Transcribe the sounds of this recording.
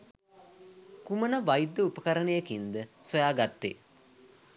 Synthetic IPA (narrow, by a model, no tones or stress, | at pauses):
kumənəʋajd̪ːəupəkɐɾənəjəkind̪əsojaːɡat̪ːḛ